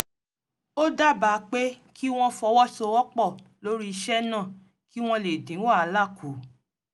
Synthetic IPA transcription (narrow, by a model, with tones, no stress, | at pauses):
o˦da˦˨ba˨˦k͡pe˦ | kʰi˦w̃ɔ̃˦fɔ˧wɔ˦so˧wɔ˦k͡pɔ˦˨lo˦ɾi˦i˧ʃɛ˦nã˦˨ | ki˦w̃ɔ̃˧le˨dĩ˨˦wa˦˨a˨˦la˦˨kʰu˨˦